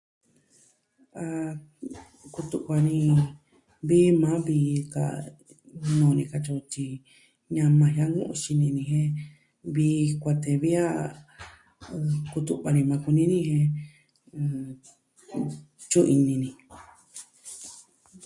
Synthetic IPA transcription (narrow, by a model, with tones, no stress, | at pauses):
a˧ | ku˧t̪u˧ʔkʷa˧nĩ˧ | βi˦mã˨˦βiː˧ka̰˧˨ | nõː˧nĩ˧ka˧t͡ʃu˧t͡ʃi˧ | ɲã˧mã˧ɦa˦ŋɡũ˦ʔṵ̃˧ʃi˧nĩ˧nĩ˧ɦẽ˦ | βiː˧kʷa˧t̪e˧βi˦a˦˧ | ku˧t̪u˧βa˧nĩ˧mã˧ku˧nĩ˦nĩ˦hẽ˧ | t͡ʃu˦ʔi˧nĩ˧nĩ˧